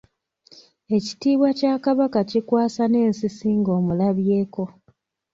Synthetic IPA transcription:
e̞ci̥tiːβwacaːkaβakacikwaːsane̞ːnsisiːŋɡo̞ːmulaβje̞ːko̞

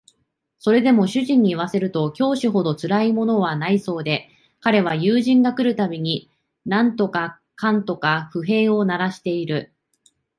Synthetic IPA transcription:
so̞ɾe̞d̪e̞mo̞ɕɨʑĩɲ̟ːiːβase̞ɾɯ̟t̪o̞kʲo̞ːɕiɦo̞d̪o̞t͡sɨɾaimo̞no̞β̞anaiso̞ːd̪e̞ | kaɾe̞β̞ajɯːʑĩŋɡakɯ̟ɾɯ̟t̪abʲiɲ̟i | nãnt̪o̞ka | kãnt̪o̞kaɸɯ̟ɦe̞ːo̞naɾaɕi̥t̪e̞iɾɯ̟

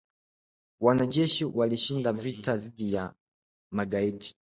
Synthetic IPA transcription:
wanaʄɛʃiwaliʃindavitaðiɗija | maɡaiti̥

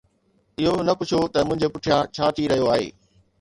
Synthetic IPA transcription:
ɪɦonɐpʊt͡ɕʰot̪ɐmʊ̃ɦɪ̃ɲd͡ʑepʊʈʰijãt͡ɕʰaːt̪ʰiɾɐɦijoaːɦḛː

